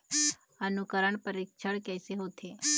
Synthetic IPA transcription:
ənukəɾəɳpəɾikʃʰəɭkɛseɦot̪ʰe

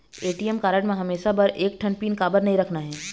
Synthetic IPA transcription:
eːʈiːɛmkaːɾəʈmẽɦɐmeːʃabɐɾʔeːk̚ʈʰɐnpiːnkaːbəɾnɐɦĩɾɐkʰnaɦɛː

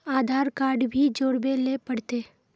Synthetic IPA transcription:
aːd̪ʱaːɾkaːɾɖbʱid͡ʒoːɽbelepəɽt̪eː

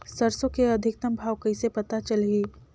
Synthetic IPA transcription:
sɐɾsokeɐd̪ʱɪk̚t̪ɐmbʱaːwkɐɪsepɐt̪at͡ʃəlɦiː

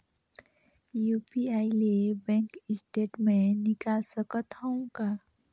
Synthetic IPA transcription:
juːpiaːilebɛ̃ːŋkɪsʈeːʈmẽnɪkasəkət̪aũkaː

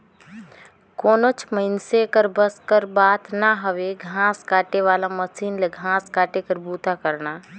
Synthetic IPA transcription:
koːnot͡ʃʰməɪnsekəɾbəskəɾbaːt̪naɦəʋeɡʱãːskaːʈeʋaːlaməsiːnleɡʱãːskaːʈekəɾbuːt̪akəɾna

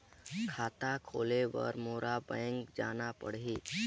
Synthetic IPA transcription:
kʰaːt̪akʰoːlebə̰ɾmoːɾabɛ̃ŋkd͡ʒaːnapə̰ɽ̤ɦi

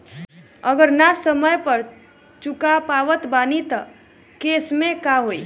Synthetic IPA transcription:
əɡəɾnasəməjpəɾ | t͡ʃukapaʋət̪banit̪ə | kesmekaɦoi

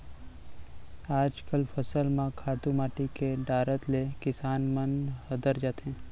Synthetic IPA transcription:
aːd͡ʒkəlpʰəsəlmãkʰaːʈ̪umaːʈikeɖaːɾət̪lekɪsaːnmənhəd̪əɾd͡ʒaːt̪ɦẽː

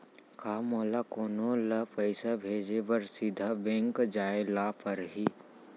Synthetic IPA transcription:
kaːmoːlakoːnoləpəɪsabʱeːd͡ʒebəɾsid̪ʱabẽŋkd͡ʒaːelaːpəɾɦiː

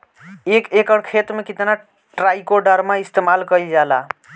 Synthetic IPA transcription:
ekekəɽkʰet̪mekit̪na | ʈɾajkoɖəɾmaist̪emalkəjd͡ʒala̰

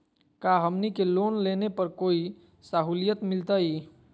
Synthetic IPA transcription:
kaɦəmnikelonlenepəɾkoi | saɦulijət̪milt̪əj

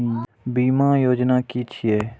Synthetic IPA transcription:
biːmaːjoːd͡ʒnaːkiːt͡ʃʰijeː

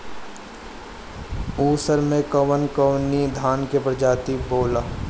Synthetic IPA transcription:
uːsəɾmẽkəʋənkəwnid̪ʱaːnkepɾəd͡ʒaːt̪iboːlaː

